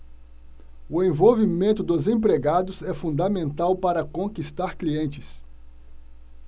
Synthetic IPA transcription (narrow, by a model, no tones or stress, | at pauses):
ʊẽvowvimẽnt̪ʊd̪ʊzẽpɾeɡad̪ʊzɛfũnd̪ɐmẽnt̪awpaɾɐkõkist̪aɾkliẽnt͡ʃɪs